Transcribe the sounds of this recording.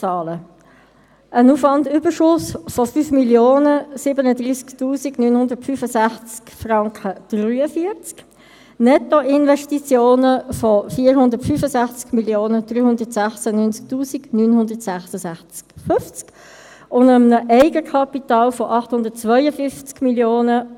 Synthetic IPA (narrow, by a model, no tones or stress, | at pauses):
ɑːlə | ʔənuːfʋɑndʏbəɾʃʊsfɔfyːfmiljoːnəsɪbənədriːsktuːsiɡnyːnhʊndətfyːfəsæχt͡skfrɑŋkʰəd̥ryːəfiəɾt͡sk | nɛtoʔɪnvɛʃtit͡sjoːnəfɔfiːəɾhʊndətfyːfəsæχt͡skmiljoːnəd̥ryːhʊndətsæχsənynt͡sk̚tuːsiɡnyːnhʊndətsæχsəsæχt͡sfʏft͡sk | ʊndəmənəʔɛɪɡəkʰɑpit̪ɑːlfɔʔɑχthʊndət̚t͡sʋœʏəfʏft͡skmiljoːnə